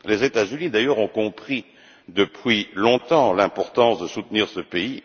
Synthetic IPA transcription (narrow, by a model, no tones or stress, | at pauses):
lezet̪azynid̪ajœʁɔ̃kɔ̃pχi | d̪əpɥilɔ̃t̪ɑ̃lɛ̃pɔʁt̪ɑ̃sd̪əsut̪niʁsəpei